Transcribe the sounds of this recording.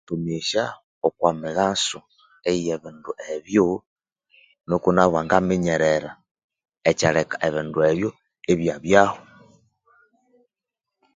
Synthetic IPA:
tumiʃa | okwamiɣasu | ejeβinduʔeβjo | nokunaβwaŋɡamiɲeɾeɾa | et͡ʃalekaʔeβindueβjo | eβjaβjaho

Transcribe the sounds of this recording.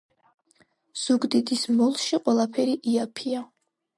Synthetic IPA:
z̥uɡd̪id̪ismɔlˠʃiqʼwɛlˠapʰɛɾiʔiapʰia

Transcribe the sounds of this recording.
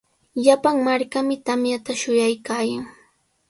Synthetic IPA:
ʎapaŋmaɾkamɪt̪amjat̪aʃʊjajkaːjaŋ

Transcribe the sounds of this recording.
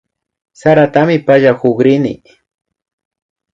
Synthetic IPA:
saɾat̪amɪpaʒahʊɡɾɪnɪ̰

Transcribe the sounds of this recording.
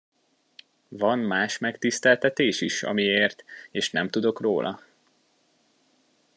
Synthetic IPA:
vɒnmaːʃmɛkt̪ist̪ɛlt̪ɛt̪eːʃiʃɒ̰mieːrt̪eːʃnɛmt̪ud̪o̞kroːlʔɒ̰

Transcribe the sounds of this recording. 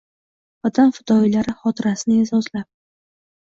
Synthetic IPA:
vat̪ʰanfʊd̪ɒilaɾɪχɒt̪ʰɪɾasɪnɪezɒzlap̚

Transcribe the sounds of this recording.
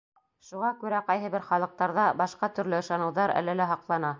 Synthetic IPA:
ʃuʁɑkʉɾæqɑjɦɤ̆βɘɾχɑlˠɤ̆q̚t̪ɑɾðɑbɑʃqɑt̪ɵ̆ɾlɘɤ̆ʃɑnɤ̆wðɑɾæ̰lɘlæɦɑqlˠɑnɑ

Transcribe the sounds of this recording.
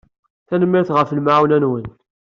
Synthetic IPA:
θænəmːɪɾθʁəflmʕawnænwən

